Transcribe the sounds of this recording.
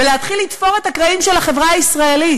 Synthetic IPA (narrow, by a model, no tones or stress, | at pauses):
eleat̪χilit̪fo̞ʁe̞t̪hakʁaimʃe̞laχe̞vʁaaisʁae̞lit